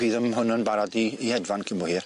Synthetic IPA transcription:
viːðəmɦʊnənbaɾadiːhɛdvankʰɪmbɔhiːr

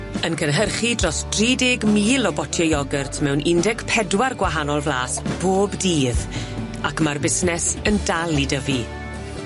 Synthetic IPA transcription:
ənkʰənɦərχidrɔsd̥riːdɪɡmiːlˠɔbɔtʰjɔjɔɡɛrtʰmɛwnʔɪndɛkpʰɛdwarɡwaɦanɔlˠvlaːsb̥oːbdiːð | akmarbɪsnɛsəndalˠidəvi

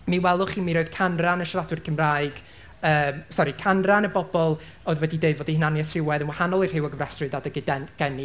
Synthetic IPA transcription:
miwɛlˠʊχimiɾoɨd̥kʰanranəʃradwɨrkʰəmraɨɡ̥ | əːmsɔɾikʰanranəbɔbɔlˠ | ɔːðwɛdideɨdvɔdihnanjɛθrɪwɛðənwahanɔlˠir̥hɪwəɡəmrɛstrɨdadəɡɪdɛɡ̥ɛni

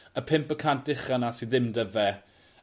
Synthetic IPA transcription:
əpʰɪmpəkʰand̥ɪχanasiðɪmdəvɛ

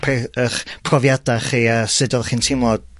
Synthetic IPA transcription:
pʰaəχpʰrɔvjadaχiasɪdɔlˠχiːntʰɪmɔd̥

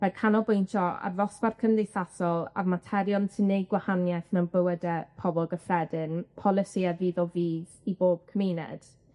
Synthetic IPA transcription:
mɛkʰanɔbʊjntʰɔa̰rvɔsparkʰəmdejθasɔlˠa̰vmatʰɛɾjɔntʰənejɡwahanjɛθmɛwnbəwədɛpʰɔbɔlˠɡəfrɛdɪnpʰɔlˠɪsiaviːðɔviːðiboːb̥̚kʰəminɛ̰d̥

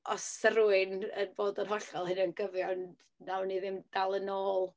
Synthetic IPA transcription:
ʔɔsəɾuɨnənboːdənɦɔɬɔlˠhɨnənɡəvjɔn | nawniðɪmd̥alˠənoːlˠ

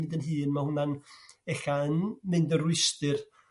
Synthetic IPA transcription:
ɪdənɦɨːnmahʊnanɛɬaənmɪndərwɪstɨr

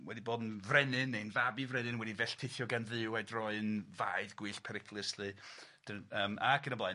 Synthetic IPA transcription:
wɛdiboːdnvrɛnɨnejnvabivrɛnɪnwɛdivɛɬtʰɪθjɔɡanðɨwajdrɔɨnvaɨðɡwiːɬpʰɛɾɪkʰlˠɪslɨd̥əəːmaɡʰənəbla

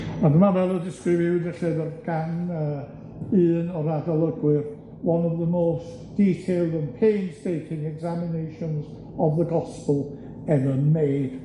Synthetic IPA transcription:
adəmavɛlˠədɪskɾɪvjɪwɪdɪɬɪvɛrɡ̥anə | ɨːnɔɾadɔlˠəɡwɪɾ | wʌ̃nɔvðəmoːs | d̥iːtʰeɪlˠdə̃npʰeɪnstejtʰɪ̃ŋɛɡzamɪnejʃɔ̃nz | ɔvðəɡɔspəlˠ | ɛðənmeːd̥

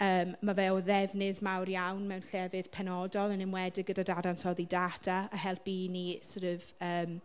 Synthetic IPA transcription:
əːmːavɛɔðɛvnɨðmawrjawnmɛwnɬɛvɨð̥pʰɛnɔdɔlˠənɪmwɛdɪɡədadadansʰɔðidatʰaahɛlˠpinisoɾəv̥əːm

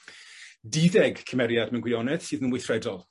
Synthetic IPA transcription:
diðɛɡkʰəmɛɾjadmɛwnɡwɪɔnɛð̥sɨːðənwejθrɛdɔlˠ

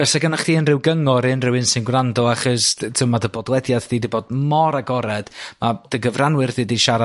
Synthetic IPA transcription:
b̥ɛsaɡənaχd̥iːənrɪwɡəŋɔɾɨnrɪwɨnsɨnɡwrandɔaχɔstʰɪmadəbɔdlˠɛdjaðdiːdiboːdmɔɾaɡɔɾɛd̥mad̥əɡəvranwɨrðɨdiʃaɾa

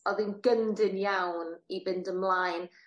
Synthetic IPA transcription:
ɔðɪnɡəndɪnjawnibɪndəmlˠajn

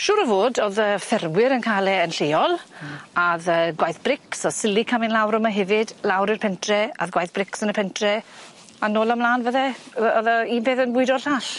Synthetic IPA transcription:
ʃʊːɾəvoːdoðəːfɛrmwɪɾənkʰaːlɛənɬejɔlˠaðəːɡwajθb̥rɪksɔsɪlikʰamɪnlawɾɔmaɦɛvɪdlawɾɪrpʰɛntʰrɛaðɡwajθb̥rɪksənəpʰɛntʰrɛ | anoːlˠamlˠaːnvəðɛɔðaibeːθənwʊɨdɔɬaːɬ

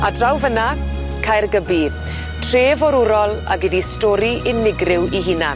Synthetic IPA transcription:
adrawvəna | kʰajrɡəbi | tʰreːvɔɾʊɾɔlˠa̰ɡɪdistɔːɾiʔɪnːɪɡrɪwiɦɪna

